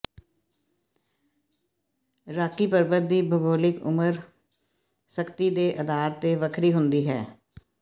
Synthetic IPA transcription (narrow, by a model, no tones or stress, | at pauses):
ɾaːkːiːpəɾbəd̪iːbʱəɡoːlɪkʊ̰məɾ | səkt̪iːd̪eːʔəd̪aːɾt̪eːʋəkʰɾiːɦʊnd̪iːɦɛ̰ː